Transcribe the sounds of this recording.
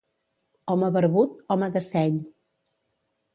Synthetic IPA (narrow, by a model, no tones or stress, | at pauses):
ɔməβəɾβut̪̚ɔməðəsɛɲ